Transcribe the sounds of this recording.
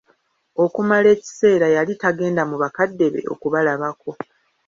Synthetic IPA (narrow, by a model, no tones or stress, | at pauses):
o̞kumale̞ːci̥se̞ːɾajalitaɡe̞ːndamuβakadːe̞βe̞̰ʔo̞̰kuβalaβako̞